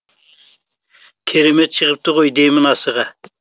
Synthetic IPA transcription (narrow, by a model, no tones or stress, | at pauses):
kʲʰeɾemɛt̪̚t͡ʃʰəʁəp̚t̪ɨʁojd̪ejmɪnɑsəʁɑ